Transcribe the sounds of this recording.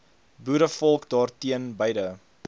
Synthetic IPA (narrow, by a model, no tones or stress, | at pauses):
buɾəfɔlˠkdɑːrtiənbəjdə